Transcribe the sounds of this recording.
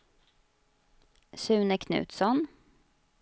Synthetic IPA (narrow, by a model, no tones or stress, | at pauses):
sʉːnəkʰnʉ̰ːt̪sɔn